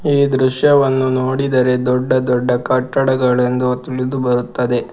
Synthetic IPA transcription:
iːd̪ɾuʃjɐʋɐnːunoːɽid̪ɐɾe̞d̪ɔɖːɐd̪ɔɖːɐkɐʈːɐɽɐɡɐɭend̪ut̪ːilid̪ubɐɾut̪ːɐd̪e̞

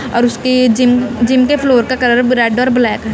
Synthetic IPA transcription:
ɔ̰ːɾʊsked͡ʒɪmd͡ʒɪmkepʰloːɾkakɐɾəɾɾɛːɖɔːɾblɛːkɦɛ

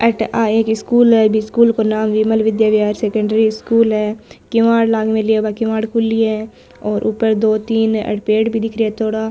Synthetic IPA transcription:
əʈaːeːkɪskuːlɦɛbʱiskuːlkonaːmʋiməlʋɪd̪jaːʋjaːɾseːkə̃ɳɖəɾiɪskuːlɦɛːkɪmaːɽlaːɡmẽliabakɪmaːɽkʊlːiɛ | ɔːɾʔṵpəɾd̪oːt̪iːnə̰ʈpeːɽbʱid̪ɪkʰɾiɛt̪ʰoːɽaː

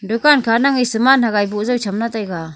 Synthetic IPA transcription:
dɔkankʰanaŋisɯmanhaɡajbuʔzɯwt͡ʃʰamnat̪ajɡa

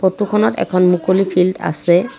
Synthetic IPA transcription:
potukʰɔnɔtɛ̰kʰɔnmukolipʰilda̰sɛ

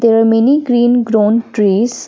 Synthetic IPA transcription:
d̪eːɾamɛniɡɾiːnɡɾoːnʈɾiːz

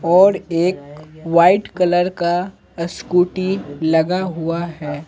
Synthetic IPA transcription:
ɔːɾeːkʋaːɪʈkɐləɾka | ɐskuːʈilɐɡaɦʊaɦɛː

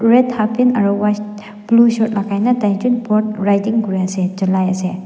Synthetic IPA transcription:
ɾedhapʰinɐɾɔwas | plusot̚lakʰajnɐtajd͡ʒunpoɾt̚ɾajtiŋkuɾiɐsed͡ʒɐlajɐse

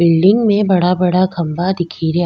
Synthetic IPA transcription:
bɪlɖɪ̃ŋɡmẽbɐɽabɐɽaɡʱɐmbad̪ɪkʰiːɾe

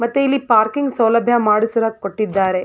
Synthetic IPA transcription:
mɐt̪ːuilːipaːɾkiŋɡsɐwlɐbʱjɐmaːɽusɐɾaːɡkoʈːid̪ːaːɾe

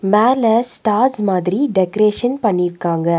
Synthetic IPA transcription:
maːlɐsʈaːɾsmaːðɾiɖɛkɐɾeːʂɐnpɐɳːɪɾkːaːŋɡɐ

